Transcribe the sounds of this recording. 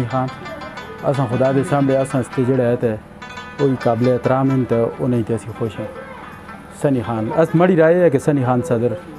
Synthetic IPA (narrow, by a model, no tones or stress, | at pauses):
iːxaːn | ə̰s̬ãːxʊd̪aːd̪eːsaːmleːəsãːst̪eːd͡ʒeːɽaːɛt̪e | oːiːkaːbleːt̪ɾaːmɪnt̪eʊ̰nãːĩːt̪eəsĩːxoːʃɛ̃ː | səniːxaːnəsməɽiːɾaːeːɛːk̬esəniːxaːnsəd̪əɾ